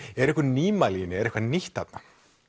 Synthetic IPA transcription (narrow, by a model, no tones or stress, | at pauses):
ɛɾɛhkʏniːmalinːɪɛɾɛhkvaniht̪at̪na